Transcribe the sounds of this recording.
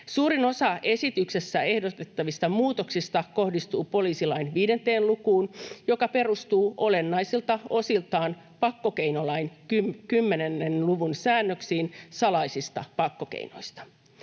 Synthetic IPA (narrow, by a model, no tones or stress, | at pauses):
suːɾino̞sɑʔe̞sit̪ykse̞sːæe̞hdot̪et̪ːɑʋist̪ɑmuːt̪o̞ksist̪ɑko̞hdist̪uːpo̞liːsilɑinʋiːde̞nt̪eːnlukuːnjo̞kɑpe̞rust̪uːʔo̞le̞nːɑisilt̪ɑo̞silt̪ɑːn | pɑkːo̞ke̞jnolɑinkykymːe̞nenːenluʋunsæːnːøksiːnsɑlɑisist̪ɑ̰pɑkːokḛino̞̰ist̪ɑ̥